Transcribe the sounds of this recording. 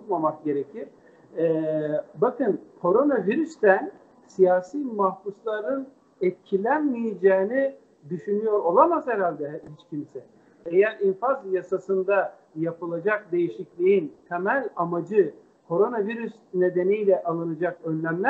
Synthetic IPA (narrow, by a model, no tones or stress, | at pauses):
uk̪mamak̚ɟe̞ɾecʰiɾ̥ | ɛbakɯnkʰo̞ɾo̞naviɾyst̪æn | sijaːsiːmahbuslˠaɾɯn | ɛt̪̚cʰilʲænmijed͡ʒɛːni | d̪yʃynyjo̞ɾo̞lˠamazhɛɾalʲd̪ɛhit͡ʃcʰimsɛ | ejæɾinfazjasasɯnd̪a | japɯlˠad͡ʒak̚d̪e̞jiʃiclʲijint̪ʰemælʲamad͡ʒɯ | kʰo̞ɾo̞naviɾysne̞d̪e̞nijlʲɛʔalˠɯnad͡ʒakønlʲæmlʲæ